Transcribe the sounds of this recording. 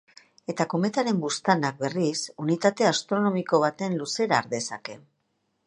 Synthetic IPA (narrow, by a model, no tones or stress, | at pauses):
e̞t̪ako̞met̪aɾe̞mbust̪anak̚be̞risunit̪at̪e̞ast̪ɾo̞no̞miko̞β̞at̪e̞nluse̞ɾaːɾðe̞sa̰ke̞